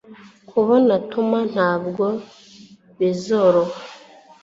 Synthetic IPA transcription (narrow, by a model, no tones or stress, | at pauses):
kʰuβonatuman̥haːbɡo | βizoɾoha